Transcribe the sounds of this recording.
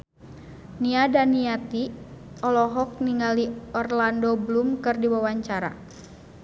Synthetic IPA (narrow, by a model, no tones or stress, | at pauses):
niadaniat̪iɔlɔɦɔk̚niŋaliɔrlandoblumkɨrdiwawaɲt͡ʃaɾa̰